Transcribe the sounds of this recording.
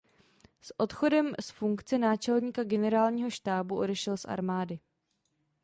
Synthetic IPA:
sʔo̞t̪xo̞dɛmsfuŋkt͡sɛnaːt͡ʃɛlɲiːkaɡɛnɛɾaːlɲiːɦo̞ʃt̪aːbuʔo̞dɛʃɛlsʔa̰ɾmaːdɪ

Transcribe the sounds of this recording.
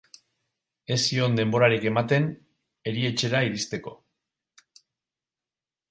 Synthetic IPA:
e̞sio̞nd̪e̞mbo̞ɾaɾike̞mat̪e̞n | e̞ɾie̞t͡ʃe̞ɾaiɾist̪e̞ko̞

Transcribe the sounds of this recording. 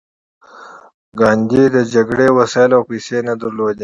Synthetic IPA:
ɡɑːnd̪id̪əd͡ʒaɡɽewɐsalawpiːsenad̪əɾlod̪e

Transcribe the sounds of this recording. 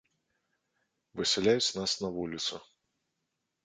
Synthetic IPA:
vɨsʲɛlʲajut͡sʲnasnɐvulʲit̪su

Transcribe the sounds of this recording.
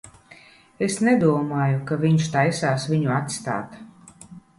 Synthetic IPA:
esnɛd̪uɔmaːjukavʲiɲʃt̪ajsaːsvʲiɲuat̪st̪a̰ːt̪

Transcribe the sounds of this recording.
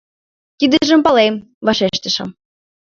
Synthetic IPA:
k̪id̪ə̆ʒə̆mpɑlem | vɑʃeʃt̪ə̆ʃɤ̆m

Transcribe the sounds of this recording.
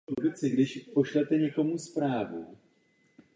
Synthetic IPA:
ubɪt͡sɪɡdɪʃpo̞ʃlɛt̪ɛɲɛko̞muspɾaːvṵ

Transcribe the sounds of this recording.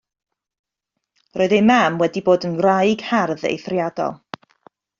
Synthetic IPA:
rʔoːɨðejmamwɛdiboːdənrajɡ̥harðḛjθrjadɔ̰lˠ

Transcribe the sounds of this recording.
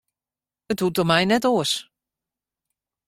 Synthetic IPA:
əthutɔmɛjnɛtoəs

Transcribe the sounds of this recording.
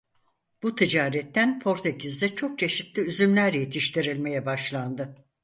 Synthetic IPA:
b̥ut̪ʰid͡ʒaːɾɛt̪ːænpʰo̞ɾt̪ʰecʰizd̪ɛt͡ʃʰo̞k̚t͡ʃʰe̞ʃit̪lʲiyzymlʲæɾjet̪ʰiʃt̪ʰiɾilʲme̞jɛbaʃlˠand̪ɯ

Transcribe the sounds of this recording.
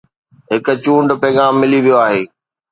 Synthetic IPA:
ɦɪkʊ̆t͡ɕũːɳɖpɛːɡãːmːɪliʋijoaːɦeː

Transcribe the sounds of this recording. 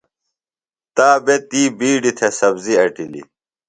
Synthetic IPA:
t̪aːbet̪iːbiːɖit̪ʰesɐbziɐʈilḭ

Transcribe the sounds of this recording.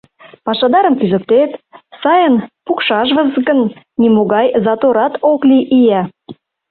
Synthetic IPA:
pɑʃɑd̪ɑɾəmkyzə̆k̚t̪et̪sɑjənpukʃɑʒβə̆zɡənː | imoɣɑjzɑt̪oɾɑt̪okliʔijæ

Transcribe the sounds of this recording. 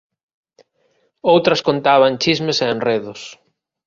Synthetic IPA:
owt̪ɾɐskont̪aβɐnt͡ʃizmeseenreðʊs

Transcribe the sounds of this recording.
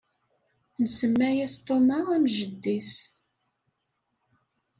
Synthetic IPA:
nsəmːæjæst̪ˤomɑæmʒəd̪ːis

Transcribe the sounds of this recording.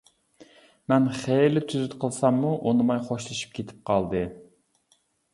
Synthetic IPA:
mɛnχelɪt̪ʰyzyt̪qʰəlˠsɑmːuʔonɨmɑjχoʃlˠɨʃɨ̥p̚kʲʰet̪ʰɪ̥p̚qʰɑlˠd̪ɨ

